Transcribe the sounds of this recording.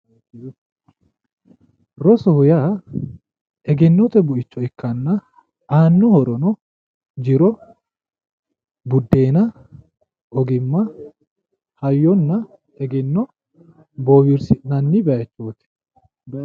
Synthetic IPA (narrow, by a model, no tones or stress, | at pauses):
ɾɔsɔhʊjaː | ɛɡɛnːɔt̪ɛbʊʔɪt͡ʃːɔɪkːɐnːɐ | ʔaːnːɔhɔɾɔnɔ | d͡ʒɪɾɔ | bʊd̪ːe̞ːnɐ | ɔɡɪmːɐ | hɐjːɔnːɐ | ɛɡɛnːɔ | boːbɪɾsɪnɐnːɪbɛɐt͡ʃːoːt̪ɛ̥